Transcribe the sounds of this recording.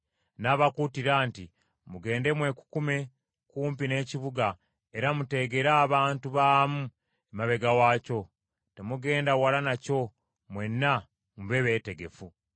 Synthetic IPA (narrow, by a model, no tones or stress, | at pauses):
naβakutiɾaːnti | muɡe̞ːnde̞mwe̞ku̥kume̞ | kuːmpine̞ːciβuɡa | e̞ɾamute̞ɡe̞ɾaːβaːntuβaːmu | emaβe̞ɡawaːco̞ | te̞muɡe̞ːndawalanaco̞ | mwe̞nːa | muβe̞βe̞ːte̞ɡe̞fu